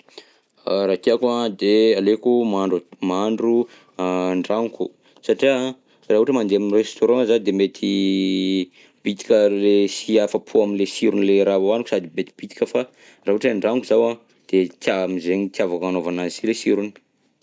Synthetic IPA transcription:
rak̪iakuãd̪ealekumaɳɖ͡ʐumaɳɖ͡ʐu | ɳɖ͡ʐaŋku̥ | saʈ͡ʂia | raːɦuʈ͡ʂəmand̪eamirest̪oɾɔ̃zad̪emet̪ʰi | bit̪i̥kʲəlesiafəpʰuaminlesiɾunileɾavoanukusad̪imet̪i̥b̥it̪i̥kəfa | raɦuʈ͡ʂɳɖ͡ʐaŋkuzawã | d̪̥et̪amizeɲit̪iavakanovanazisilesiɾuni̥

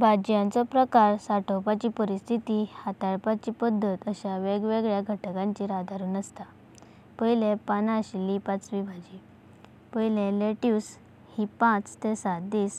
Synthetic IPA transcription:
bʱad͡ʑjãnt͡sɔpɾəkaɾsaʈʰowpat͡ɕiːpəɾist̪ʰit̪ihat̪aɭpat͡ɕiːpəd̪ʱːət̪əɕaʋeɡʋeɡɭjaɡʱəʈəkãɲt͡ɕiːɾad̪ʱaɾuːnəst̪a | pəjlẽpanaɕilipat͡sʋibʱad͡ʑi | pəjlẽleʈjus | hipãt͡st̪esat̪̚d̪iːs

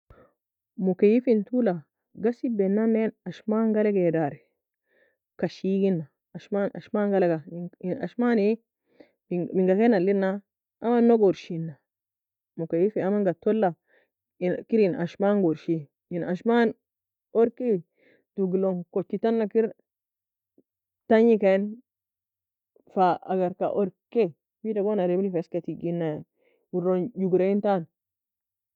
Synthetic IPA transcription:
mukejifintula | ɡasibenːanːenaʃmaŋɡaleɡedaɾe | kaʃiɡinːa | aʃmana̰ʃmaŋɡaleɡaina̰ʃmani | miŋɡakenalinːa | amanːoɡoɾʃinːa | mukejifiamaŋɡatolːa | nkiɾina̰ʃmaŋɡoɾʃi | inaʃman | oɾke | tuɡloŋkot͡ʃːitanːakiɾ | taɲikan | faaɡaɾka̰ʔoɾke | bidaɡonaɾebilifskatiɡinːa | wuɾond͡ʒuɡɾeintan

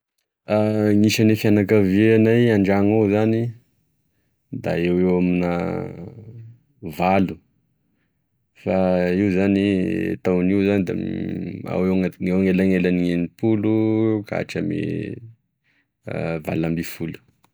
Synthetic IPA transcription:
aŋiʃanefianakavieanajaɳɖ͡ʐaŋawzani | d̪a̰ewewamina | valu | faiwzanḭt̪awniwzanid̪a̰ma̰wewewŋelaŋelaniŋenipuluka̰ʈ͡ʂəmḭ | va̰lambifulu̥

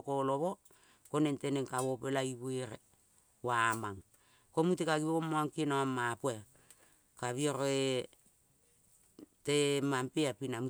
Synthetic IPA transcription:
koloβo | konenteneŋkaβopelaiβueɾe | wamaŋ | komutekaɡiβoomoaŋkinoamːapue | kaβioɾoe | temampeapinamu

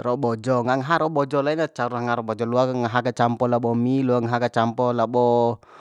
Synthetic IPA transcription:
rɔbɔd͡ʒɔŋaŋaɦaɾɔɓɔd͡ʒɔlainat͡ʃaɾunaŋaɾɔbɔd͡ʒɔluaŋaɦaɡat͡ʃampɔlaɓɔmiluaŋaɦaɡat͡ʃampɔlaɓɔ

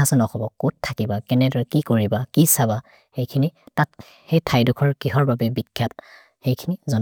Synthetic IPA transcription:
asɔnɔxɔbɔkuttʰːakibakɛnɛdɔɹɛkikoɹibakisaba | xejkʰinitat̚ | hejtʰajdukʰɔɹkiɦɔɹbabɛbikʰːjat̚ | xejkʰinizɔ

